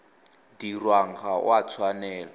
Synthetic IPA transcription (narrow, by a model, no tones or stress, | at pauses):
dirwaŋχʰaw̰at͡sʰwanɛːlɔ